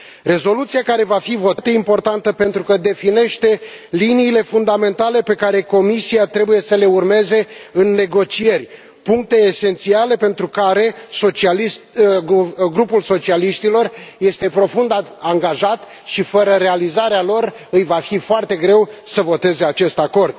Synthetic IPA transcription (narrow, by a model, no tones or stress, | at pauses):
re̞zo̞lut̪sijakaɾe̞vafivo̞tt̪eimpo̞rt̪ant̪əpe̞nt̪ɾukəd̪e̞fine̞ʃt̪e̞ | liniːle̞fund̪ame̞nt̪ale̞pe̞kaɾe̞ko̞misiat̪ɾe̞buje̞səle̞urme̞ze̞ɨnːe̞ɡo̞t͡ʃije̞rʲ | puŋk̚t̪e̞ːse̞nt̪siale̞pe̞nt̪ɾukaɾe̞sot͡ʃiali | ɡɾupulso̞t͡ʃialiʃt̪ilo̞rje̞st̪e̞pɾo̞fund̪aaŋɡaʒat̪ | ʃifəɾəɾe̞alizaɾealo̞r | ɨjvafifoart̪e̞ɡɾe̞wsəvo̞t̪e̞ze̞at͡ʃe̞st̪ako̞rd̪̚